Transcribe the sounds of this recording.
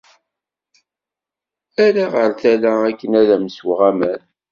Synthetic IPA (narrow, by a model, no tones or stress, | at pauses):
æɾaʁəɾθælæækːənæðæmswʁæmæn